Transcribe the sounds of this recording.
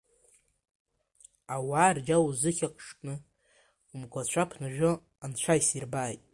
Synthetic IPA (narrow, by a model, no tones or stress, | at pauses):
awaːrd͡ʒawuzɨχʲakʷʼʰʂkʼnɨ | umkʷʰat͡ɕʷʰapʰnaʒᶣo | ant͡ɕʷʰajsirbaːjtʼ